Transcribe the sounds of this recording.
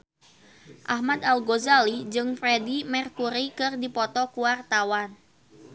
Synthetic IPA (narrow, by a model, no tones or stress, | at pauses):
ʔahmad̪alɡozalid͡ʒɨŋfɾɛdimɛrkuɾikɨrdipɔt̪ɔkuwart̪awan